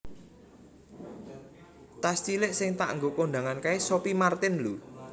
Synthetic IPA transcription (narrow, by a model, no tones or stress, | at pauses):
t̪ast̪ilɪʔsɪŋt̪a̰ʔŋɡokoɳɖa̤ŋankaesopimart̪ɪnlu